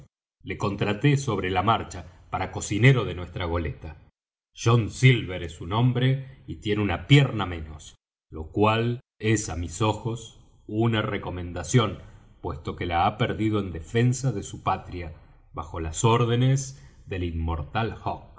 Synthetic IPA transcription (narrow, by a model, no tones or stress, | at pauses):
le̞ko̞nt̪ɾat̪e̞so̞β̞ɾe̞lamaɾt͡ʃapaɾako̞sine̞ɾo̞ðe̞nwe̞st̪ɾaɣ̞o̞le̞t̪a | ʒ̥o̞nsilβeɾesunõ̞mbɾe̞it̪je̞neunapjeɾnamẽ̞no̞s | lo̞kwal | e̞samiso̞xo̞s | unareko̞mẽ̞nd̪asjo̞n | pwe̞st̪o̞ke̞laapeɾðið̞o̞e̞nd̪e̞fe̞nsaðe̞supat̪ɾja | βaxo̞laso̞ɾðe̞ne̞zðe̞limːo̞ɾt̪alxok̚